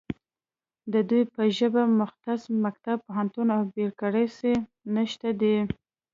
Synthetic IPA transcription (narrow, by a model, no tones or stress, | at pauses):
d̪əd̪ujpəʒəbamʊxt̪asmak̚t̪ab̚poɦant̪unawbeɽkəɽəjsi | naʃt̪ad̪i